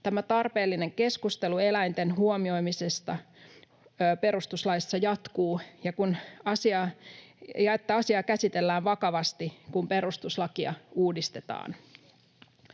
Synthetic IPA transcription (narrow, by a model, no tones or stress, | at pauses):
t̪æmæt̪ɑrpe̞ːlːine̞ŋke̞skust̪e̞lue̞læjnt̪e̞nɦuomio̞jmise̞st̪ɑ | pe̞ɾust̪uslɑjsːɑjɑt̪kuːjɑkunɑsiɑ | jɑet̪ːæɑsiɑkæsit̪e̞lːæːʋʋɑkɑʋɑst̪ikumpe̞ɾust̪uslɑkiɑ̰uːdist̪e̞t̪ɑ̰ːn